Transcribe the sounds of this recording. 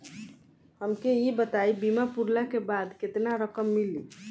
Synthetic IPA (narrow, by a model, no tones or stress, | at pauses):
həmkeibət̪aibimapuɾlakebad̪ket̪naɾəkəmːili